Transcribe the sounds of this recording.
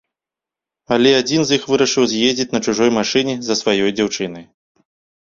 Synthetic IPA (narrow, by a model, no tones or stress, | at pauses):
alʲɛad͡zʲinzjixvɨɾɐʂɨwzʲjezʲd͡zʲit͡sʲnɐt͡ʂuʐɔjmaʂɨnʲɛzɐsvajɔjd͡zʲawt͡ʂɨnɐj